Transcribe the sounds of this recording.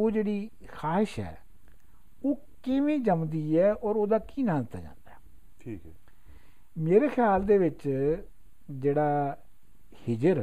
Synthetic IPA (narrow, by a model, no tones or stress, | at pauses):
oːd͡ʒeːɽiː | xaːɪʃɦɛ̰ː | oː | kɪʋẽːd͡ʒəmd̪iːɛːɔːɾoːd̪aːkiːnãːd̪ɪt̪ːa̰ːd͡ʒã̰ːnd̪aɛ | ʈʰiːk | meːɾeːxʰɪjaːld̪eːʋɪt͡ʃ | d͡ʒeːɽaː | hɪd͡ʒəɾ